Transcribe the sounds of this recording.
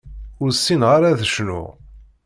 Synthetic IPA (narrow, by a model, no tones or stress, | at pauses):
ʊɾsːinʁaɾaðəʃnʊ̰ʁ